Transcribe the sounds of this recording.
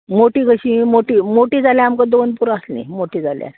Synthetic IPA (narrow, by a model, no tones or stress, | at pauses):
moʈiːkəɕĩːmoʈiːmoʈiːd͡zaljãamkad̪onpuɾaslḭmoʈiːd͡zʱalja̰